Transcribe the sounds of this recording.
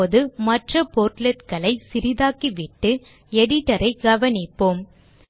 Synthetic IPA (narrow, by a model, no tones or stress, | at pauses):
oðɯmɐʈrɐpoːɾʈlɛt̪kɐɭɐɪsɪɾɪðaːkiʋɪʈːɯ | ɛɽɪʈːɐɾɐɪɡɐʋɐnɪpːoːm